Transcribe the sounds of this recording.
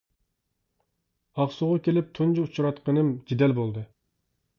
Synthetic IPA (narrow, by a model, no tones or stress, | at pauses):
ɑqsuʁɑkʲelɪp̚t̪ʰund͡ʒuut͡ʃʰuɾɑt̪qənɨmd͡ʒed̪ɛlbolˠd̪ɨ